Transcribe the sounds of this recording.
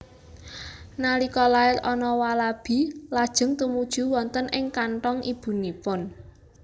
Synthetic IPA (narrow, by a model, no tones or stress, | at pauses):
nalikɔlaɪɾɔnɔwalab̥i̤lad̥ʒ̥ə̤ŋt̪umud̥ʒ̥ṳwɔnt̪ənʔɪŋkaɳʈɔŋʔib̥ṳnipʊn